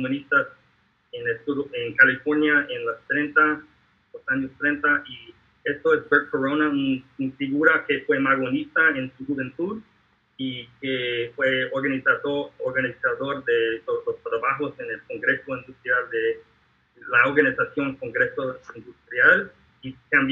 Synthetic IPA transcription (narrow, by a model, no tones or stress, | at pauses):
komunist̪as | enest̪uðoʔeŋkalifoɾnjaenlost̪ɾẽnt̪a | losaɲost̪ɾent̪aʔi | est̪oesbeɾkoɾonaununfiɣuɾakefwemaɣonist̪aensuxuβẽnt̪uð | ikefweoɾɣanisaðooɾɡanisaðoɾðet̪oolost̪ɾaβaxosenelko̞ŋɡɾe̞soĩnd̪ust̪ɾjald̪e | laoɾɣanisasjoŋkoŋɡɾesoind̪ust̪ɾjal | ikamb